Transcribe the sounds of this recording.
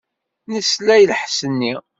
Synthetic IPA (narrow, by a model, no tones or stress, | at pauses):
nəslæjlħsənːi